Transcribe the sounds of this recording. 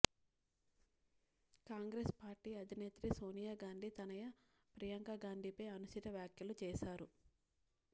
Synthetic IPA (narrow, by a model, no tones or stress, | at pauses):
kaːŋɡɾespaːɾʈiːɐd̪ʱineːt̪ɾiso̞ːnijaːɡaːɳɖit̪ɐnɐjɐ | pɾijɐŋkaɡaːɳɖ̪ʱipeːɐnusit̪ɐʋjaːkjɐlut͡ʃɛːʃaːɾu